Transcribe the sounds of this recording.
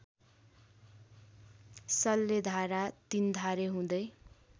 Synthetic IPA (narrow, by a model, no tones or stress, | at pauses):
sʌlːed̪ʱaɾat̪ind̪ʱaɾeɦũd̪ʌj